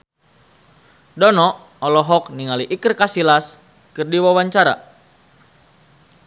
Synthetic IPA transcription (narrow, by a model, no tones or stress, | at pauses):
dɔnɔ | ɔlɔɦɔk̚niŋaliʔikɨrkasilas | kɨrdiwawaɲt͡ʃaɾa̰